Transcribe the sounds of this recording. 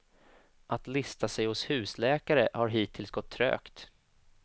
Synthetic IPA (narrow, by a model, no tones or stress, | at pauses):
ʔat̪lɪst̪ʰasɛjhʊshʉ̟ːslɛːkaɾəhaɾɦiːt̪ʰːɪlsɡɔt̪ʰːɾø̰ːkt̪